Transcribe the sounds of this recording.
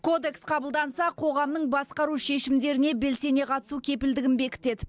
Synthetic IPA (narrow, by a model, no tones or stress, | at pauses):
kʰo̞d̪e̞ksqʰɑbəlˠd̪ɑnsɑqʰo̞ʁɑmnəɴbɑsqɑɾuʃe̞ʃɪmd̪e̞ɾɪne̞be̞lse̞ne̞qʰɑt̪əsukʲʰe̞pɪld̪ɪɡʲɪnbe̞kʲɪ̥t̪e̞d̪ɪ